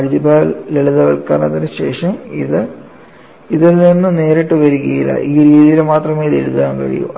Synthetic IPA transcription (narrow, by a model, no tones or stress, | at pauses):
ɐɻidibʱaːleɭiðɐʋɐɭka̰ːnɐnt̪ːiɾɨɕe̞̰ːʂɐmiðɨ | iðilninːɨne̞ːɾeʈːɨʋɐɾiɣɐjilːɐ̰ʔiːɾiːðijilmaːt̪rɐmeːiðḛɻuðaːnkɐ̰ɻḭjṵm